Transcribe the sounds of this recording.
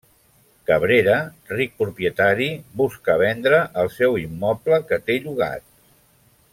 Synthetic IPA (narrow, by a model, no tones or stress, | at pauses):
kəβɾeɾərik̚pɾupjət̪aɾiβuskəβ̞ɛnd̪ɾəʔəlˠsɛwimːɔpləkət̪eʎuɣ̞a̰t̪̚